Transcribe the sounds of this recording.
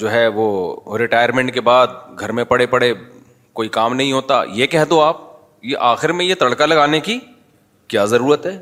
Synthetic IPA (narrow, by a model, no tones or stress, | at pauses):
d͡ʒoːɦɛʋoɾɪʈaːjəɾmẽɳʈ̚kebaːd̪̚ɡʱɐɾmẽpɐɽepɐɽe | koːikaːmnɐɦĩɦoːt̪a̰ːjekɛɦd̪õaːp̚ | jeʔaːxɪɾmẽjet̪ɐɽkalɐɡaːneki | kjaːzɐɾuːɾət̪ɦɛː